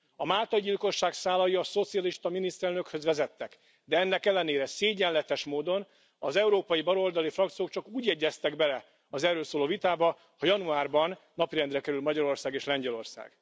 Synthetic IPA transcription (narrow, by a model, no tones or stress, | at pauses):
ɒmaːlt̪ɒɟilko̞ʃːaːksaːlɒjiɒso̞t̪sijɒliʃt̪ɒminist̪ɛlnøkhø̞zʋɛzɛt̪ːɛk | d̪ɛɛnːɛkɛlːɛneːɾɛseːɟɛnlːɛt̪ɛʃmoːd̪o̞n | ɒzɛuɾoːpɒjibɒɾo̞ld̪ɒlifrɒkt̪sijoːk̚t͡ʃɒkuːɟjɛɟːɛst̪ɛɡbɛlɛ | ɒzɛrːøːlsoːloːvit̪aːbɒ | hɒjɒnuaːrbɒnːɒpiɾɛnd̪rɛkɛɾylmɒɟɒɾo̞rsaːɡeːʃlɛɲɟɛlo̞rsa̰ːɡ̥